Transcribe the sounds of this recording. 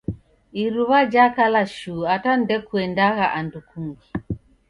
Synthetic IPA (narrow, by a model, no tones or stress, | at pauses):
iɾuβad͡ʒakalaʃuatan̩dɛkuɛndaɣaʔandukuŋɡi